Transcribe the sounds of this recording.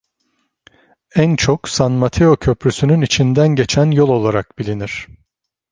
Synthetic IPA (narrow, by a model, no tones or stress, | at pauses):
ænt͡ʃʰoksanmat̪ʰeo̞cʰøpɾysynynit͡ʃʰind̪ænɟe̞t͡ʃʰænjolˠo̞lˠaɾak̚bilʲiniɾ̥